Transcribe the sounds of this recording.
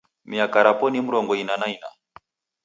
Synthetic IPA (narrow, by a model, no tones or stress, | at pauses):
miakaɾapɔnim̩ɾɔŋɡɔinanaina̰